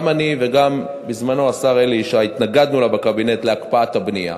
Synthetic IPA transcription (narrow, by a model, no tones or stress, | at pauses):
manive̞ɡam | bizmanoasaʁeliʃait̪naɡad̪nulabekabine̞t̪leakpaathabnia̰